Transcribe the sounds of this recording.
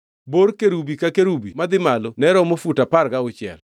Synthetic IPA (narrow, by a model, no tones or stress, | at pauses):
boɾkeɾubikakeɾubimad̪ɪmalonɛɾɔmofutapaɾɡaʊt͡ʃɪɛ̰l